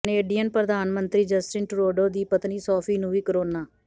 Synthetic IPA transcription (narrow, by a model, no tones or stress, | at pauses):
neːɖijənpɾəd̪aːnmənt̪ɾiːd͡ʒəsʈɪnʈɾoːɖoːd̪iːpət̪niːsɔːpʰiːnũːʋiːkəɾoːnaː